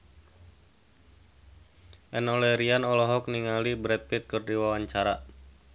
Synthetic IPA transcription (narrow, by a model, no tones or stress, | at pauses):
ʔɛnɔlɛɾianɔlɔɦɔkniŋalibɾɛt̪̚pɪt̪̚kɨrdiwawaɲt͡ʃaɾa